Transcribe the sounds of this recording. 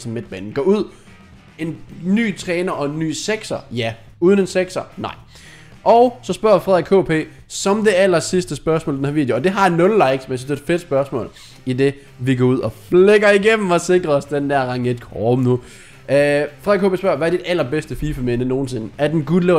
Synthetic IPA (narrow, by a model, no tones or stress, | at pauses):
sɒmːed̥̚b̥æ̰nn̩ɡ̥ɒ̰ːuð̞̰ˠ | e̝nny̰ːt͡sʰʁɛːnɐʔɒ̽e̝nːy̰ːseɡ̥sɐjæ | uð̞ˠnenseɡ̥sɐnɑ̈ɪ̰ | ʔɒ̽ʊsɒ̽sb̥ɶɐ̰fʁɛðˠkʰo̰ːpʰe̝̰ː | sɒ̽md̥e̝ælɐsisd̥əsb̥ɶɐsmɔːldenhæɐʋiːd̥joːd̥e̝ɦɑ̈nːɔ̽llɑ̈ɪ̰ɡ̥smænsynsd̥eed̥fed̥sb̥ɶɐsmɔ̰̽ːl | id̥e̝ | ʋiɡ̥ɒuð̞̰ˠɒ̽fleɡ̥ɐiɡ̥em̰m̩ɒ̽se̝ɡ̥ʁɐɒ̽sd̥end̥æɐʁɑ̈ŋed̥kʰɒːm̩nu | fʁɛðˠkʰo̝ːpʰe̝ːsb̥ɶɐʋææɐd̥id̥æl̰ɐb̥esd̥əfiːfemenəno̝ːn̩se̝nəæɐd̥enɡ̥uleʊ